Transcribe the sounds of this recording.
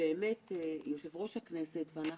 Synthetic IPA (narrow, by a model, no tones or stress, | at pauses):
eːmetejoʃevʁo̞ʃhaknese̞tveana